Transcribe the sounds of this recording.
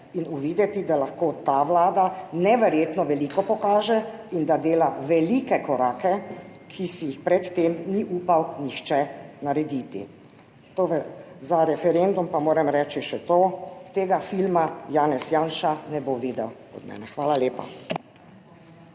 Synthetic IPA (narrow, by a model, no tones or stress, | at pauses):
inuʋiːd̪ɛt̪id̪alaxkoːt̪aʋlaːd̪anɛʋɛɾjeːt̪nɔʋɛlikɔpɔkaːʒɛind̪ad̪eːlaʋɛliːkɛkɔɾaːkɛ | kʰisijixpɾɛt̪ːemniʔuːpawnixt͡ʃɛnaɾɛd̪iːt̪ḭ | t̪oːɾɛzaɾɛfɛɾend̪umpamoːɾɛmɾɛːt͡ʃiʃɛt̪oːt̪eːɡafilmajaːnɛsjaːnʃanɛboʋiːd̪ɛw | ɔ̰d̪mɛ̰ːnɛxʋaːlaleːpa̰